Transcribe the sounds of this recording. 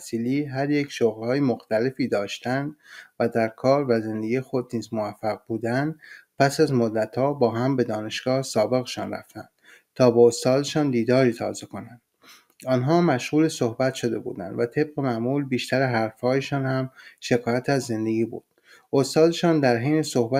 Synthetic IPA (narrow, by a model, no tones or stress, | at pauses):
siːliːɦæɾjecʰʃoɣlhɒːjemoxt̪æle̞fiːd̪ɒːʃt̪ænd̪væd̪æɾkʰɒːɾvæze̞nd̪e̞ɡijexo̞d̪niːzmovæfːæɣbuːd̪ænd̪pʰæsæzmod̪ːæt̪hɒːbɒːɦæmbe̞d̪ɒːne̞ʃɡ̥ɒːhsɒːbe̞ɣeʃɒ̰ːnɾæ̰ft̪ænd̪̥ | t̪ʰɒːbeost̪ɒːd̪e̞ʃɒːnd̪iːd̪ɒːɾiːt̪ʰɒ̰ːze̞ko̞nænd̪̥ | ɒːnɦɒːmæʃɣuːleso̞hbæt̪ʃo̞d̪e̞̰bṵːd̪æ̰nd̪væt̪ʰe̞bɢe̞mæʔmuːlbiːʃt̪æɾeɦæɾfhɒːjeʃɒːnhæmʃe̞kʰɒːjæt̪ʰæzːe̞nd̪eɡʲiːbṵːd̪̥ | ost̪ɒːd̪eʃɒːnd̪æɾɦejnesohbæ